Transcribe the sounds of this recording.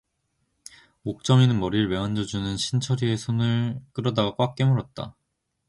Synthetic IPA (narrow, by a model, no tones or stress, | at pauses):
ok̚t͡ɕ͈ʌminɯnmʌɾiɭme̞and͡ʑʌd͡ʑunɯnɕʰint͡ɕʰʌɾie̞sʰonɯɭk͈ɯɾʌdaɡak͈wak̚k͈e̞muɾʌt̚t͈a̰